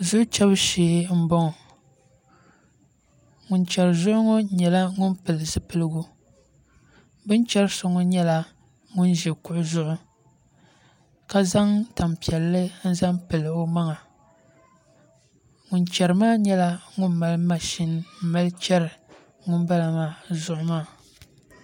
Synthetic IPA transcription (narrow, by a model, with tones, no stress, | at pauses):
zʊ˦ʔʊ˦t͡ʃɛ˦bɨ˦ʃeː˨˦m̩˦bɔ˦ŋ˨ | ŋʊ˨nt͡ʃɛ˨ɾɨ˨zʊ˦ʔʊ˦ŋɔ˦ɲɛ˨la˦ŋʊ˦npɨ˨lɨ˨zɨ˦pɨ˦lɨ˦ɡu˦ | bɨ˦nt͡ʃɛ˦ɾɨ˦so˦ŋɔ˦ɲɛ˦la˨ | ŋʊ˦nʒɛ˨kʊ˦ʔʊ˦zʊ˦ʔʊ˦ | ka˦za˦ŋta˨mpi˨ɛ˨lːɨ˦n̩˦za˦mpɨ˨lɨ˨o˦ma˦ŋa˨ | ŋʊ˨nt͡ʃɛ˨ɾɨ˨maː˦ɲɛ˦la˦ŋʊ˦n˦ma˨lɨ˦ma˦ʃɪ˦nm̩˦ma˦lɨ˦t͡ʃɛ˦ɾɨ˨ | ŋʊ˦nba˦la˨maː˦˨zʊ˦ʔʊ˦maː˦˨